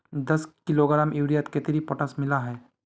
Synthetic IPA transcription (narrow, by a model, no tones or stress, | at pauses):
d̪ɐskɪloɡɾaːmʔiʋɽijat̪ket̪ɪɾipɔʈəsmɪlaɦɛː